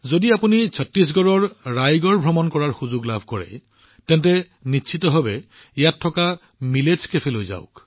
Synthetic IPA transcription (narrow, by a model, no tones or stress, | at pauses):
zodiapunit͡ʃʰɔtɹis̬ɡɔɹɔɹɹajɡɔɹbʱɹɔmɔnkɔɹaɹxuzʊɡlabʱkɔɹɛ̰ | tɛntɛ | nisʰitɔɦɔbɛ | ijatʰːɔka | mileskepʰelojza̰ʊk